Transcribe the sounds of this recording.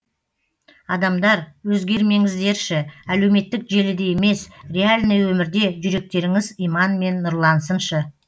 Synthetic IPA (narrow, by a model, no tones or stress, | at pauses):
ɑd̪ɑmd̪ɑɾwɵzɡʲe̞ɾme̞ŋɪzd̪e̞ɾʃɪæle̞wme̞t̪ːɪkʒe̞lɪd̪e̞jeme̞srʲe̞alʲnəjwɵmɪɾd̪e̞ʒʏɾe̞k̚t̪e̞ɾɪŋɪzijmɑnme̞nːʊɾlˠɑnsənʃə